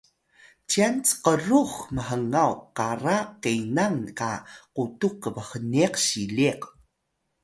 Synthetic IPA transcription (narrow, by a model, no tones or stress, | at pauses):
t͡ɕiant͡sə̥qəɾuxməɦəŋawqaɾaqejnaŋkaqutukːəvəxəneqɕileq